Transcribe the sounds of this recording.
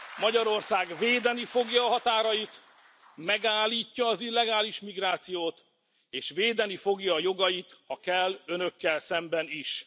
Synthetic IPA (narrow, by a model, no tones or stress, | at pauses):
mɒɟɒɾo̞rsaːɡveːd̪ɛnifo̞ɡjɒːɦɒt̪aːɾɒjit̪ | mɛɡaːlːiːcːɒːzilːɛɡaːliʃmiɡraːt̪sijoːt̪ | eːʃveːd̪ɛnifo̞ɡjɒːjo̞ɡɒjit̪ɒkɛlːønø̞kːɛlsɛmbɛniʃ